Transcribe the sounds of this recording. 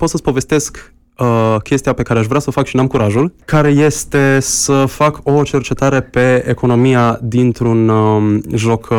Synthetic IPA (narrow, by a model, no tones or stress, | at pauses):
po̞t̪səsʲpove̞st̪e̞sk | əkʲʰe̞st̪ijape̞kaɾeaʃvɾeasəofakʃinamkuɾaʒulkaɾe̞je̞st̪e̞səfako̞t͡ʃe̞rt͡ʃe̞t̪aɾe̞pe̞eko̞no̞mijad̪int̪ɾun | ʒo̞k